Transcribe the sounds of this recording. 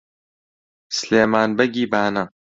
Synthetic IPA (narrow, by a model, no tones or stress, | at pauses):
sleːmaːnbɐɡiːbaːnɐ